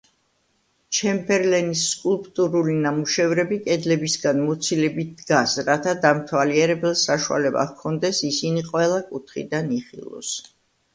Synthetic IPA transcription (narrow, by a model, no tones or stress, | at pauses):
t͡ʃʰɛmbʰɛɾlɛnisːkʼulˠpʼt̪ʼuɾulinamuʃɛvɾɛbikʼɛd̪lɛbisɡanmɔt̪sʰilɛbit̪̚d̪ɡasɾat̪ʰad̪amt̪ʰwaliɛɾɛbɛlˠsaʃua̰lɛba̰kʰɔnd̪ɛsisiniqʼwɛlˠakʼut̪ʰχḭd̪aniχḭlˠɔ̰s